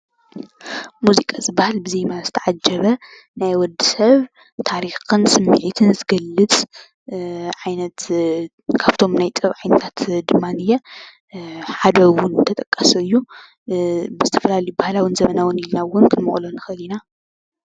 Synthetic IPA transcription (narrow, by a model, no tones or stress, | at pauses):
muzikʼazɨbahalbɨzejmazɨt̪ʰɐʕad͡ʒːɐβɐ | najwɔd̪ːisɐβ | t̪ʰaɾixɨnsɨmːiʕit̪ʰɨnzɨɡɐlːɨt͡sʼ | ʕajnɐt̪ | kʰaβt̪ʰo̞mnajt̪ʼɐβʕajnɐt̪ʰat̪d̪ɨmːanɨjːɛ | ħad̪ɐwʊnt̪ʰɐt̪ʼɐkʼːɐsuɨjːu | bɨzɨt̪ʰɐfɐlalɐjubahlawɨnzɐmɐnawʊnilnawʊnkʰɨnmɐ̰χʼlonɨxɐlina